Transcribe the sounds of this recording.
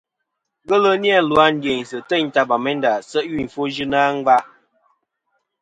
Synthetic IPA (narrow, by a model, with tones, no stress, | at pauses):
ɡə˦lə˦njɛ˦˨lwa˦n̩˦dje˨n˨sə˨tə˦˨ɲ̩˦ta˦ba˨mɛ˦nda˨sə˦ʔju˦˨fo˦d͡ʒɨ˦na˦ŋ˦va˦ʔ